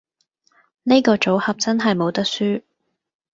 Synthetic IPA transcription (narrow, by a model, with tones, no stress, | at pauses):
ne˥kɔː˧t͡so˨˥whɐ˨p̚t͡sɐ˥nɦɐ˨jmo˨˧wt̪ɐ˥k̚syː˥